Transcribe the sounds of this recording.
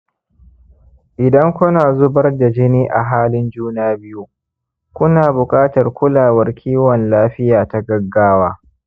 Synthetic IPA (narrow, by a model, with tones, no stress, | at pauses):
ʔɪ˨dɐ˦ŋkʷʊ˦naː˨zʊ˦bɐ˦rda˨d͡ʒɪ˦niː˦ʔa˨ɦaː˦lɪ˦nd͡ʒuː˦naː˦bɪ˦ju˦ | kʷʊ˦naː˨bʊ˨kʼaː˦tɐ˨rkʷʊ˦laː˨wɐ˦rkʲʰiː˦wɔ˨nlaː˦ɸɪ˦jaː˨ta˨ɡɐ˦ɡːaː˦waː˦